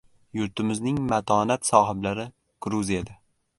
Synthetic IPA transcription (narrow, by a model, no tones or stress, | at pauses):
jʊɾt̪ɪmɪznɪŋmat̪ʰɒnat̪sɒːɦɪblaɾɪ | ɡ̥ɾuzijad̪a